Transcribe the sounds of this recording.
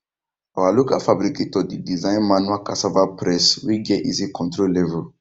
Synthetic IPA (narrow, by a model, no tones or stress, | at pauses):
oalukafabɾikitɔdidizãĩnmãnuakasavapɾɛswiɡɛʔisikɔ̃ntɾolevul